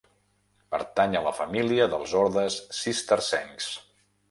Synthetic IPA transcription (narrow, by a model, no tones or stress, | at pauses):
pə̰ɾt̪aɲələfəmiliəðəlˠzɔɾðəsːist̪ərsɛŋs